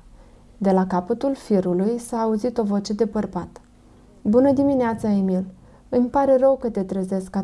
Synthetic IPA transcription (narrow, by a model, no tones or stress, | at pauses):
d̪e̞lakapət̪ulfiɾulujsaːuzit̪o̞vo̞t͡ʃe̞d̪e̞pərbat̪ | bunəd̪imineat̪saemil | ɨmʲpaɾe̞rəwkət̪e̞t̪ɾəze̞skːa